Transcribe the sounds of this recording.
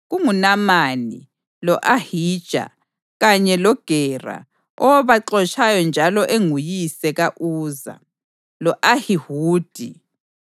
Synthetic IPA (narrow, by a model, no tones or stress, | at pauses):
ɣuŋunamanḭ | lɔʔahiːd̥ʒ̥ʱa̰ | ɣaɲɛlɔɡ̥ʱɛra̰ | ɔβaǁɔt͡ʃʰʼajɔnd͡ʒʱalɔʔeŋujisɛɣaʔuːza̰ | lɔʔahihuːd̥ʱi